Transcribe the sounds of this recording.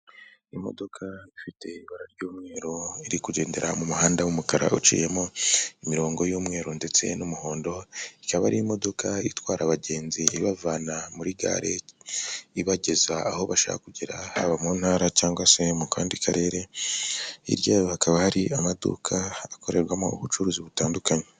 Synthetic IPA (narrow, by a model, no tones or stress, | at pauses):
imo̞̰do̞kʰaifite̞iβaɾaɾɟoːmŋe̞ːɾoiɾikuɟe̞ːnde̞̰ɾamumuhaːndawumukaɾa̰ut͡ʃḭːje̞moimiɾo̞ːŋɡo̞juːmŋe̞ːɾonde̞t͡se̞̰numuho̞ːndo̞ikaβaɾiimo̞do̞kaitwaːɾaβaɟe̞ːnziiβavanamuɾiɡa̰ːɾe̞ | iβaɟe̞zaaho̞βaʃa̰ha̰kuɟeɾaha̰βamuːn̥haːɾacaːŋɡwase̞mukaːndikʰaɾe̞ːɾe̞ | ḭɾjajohakaβahaɾiamadṵkʰaːko̞ɾe̞ɾwamo̰ṵβut͡ʃuɾuziβutaːndukaɲe